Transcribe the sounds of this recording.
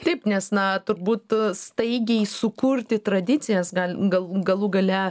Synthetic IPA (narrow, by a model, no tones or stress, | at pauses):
t̪ɐɪpnʲɛsnɐt̪ʊɾbuːt̪st̪ɐɪɡʲɛɪsʊkurʲt̪ʲɪt̪ɾɐd̪ʲɪt͡sʲɪjɛsɡɐlʲɡɐlˠɡɐlˠuːɡɐlʲɛ